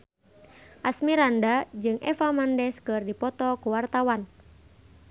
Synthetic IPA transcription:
ʔasmiɾandad͡ʒɨŋʔɛ̰famandɛskɨrdipɔt̪ɔkuwart̪awan

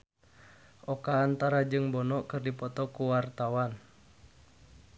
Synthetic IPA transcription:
ʔɔkaːnt̪aɾad͡ʒɨŋbɔnɔʔkɨrdipɔt̪ɔkuwart̪awan

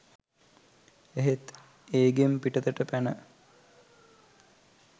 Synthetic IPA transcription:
eɦet̪ | eːɡempiʈət̪əʈəpænə

